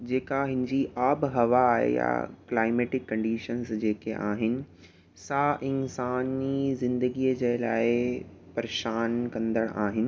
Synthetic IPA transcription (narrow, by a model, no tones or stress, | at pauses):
d͡ʑeːkaɦɪ̃nɪd͡ʑiʔaːbɪɦɐʋaːɦḛja̰klaːɪmeːʈɪkːɐ̃ɳɖiːʃənzd͡ʑeːkeʔaːɦɪnɪ̆ | sãʔɪnsaːnizɪ̃nd̪əɡiːəd͡ʑeːla̰ːɪ | pɐɾeʃaːnkɐ̃nd̪əɽ̃aːɦɪnɪ̆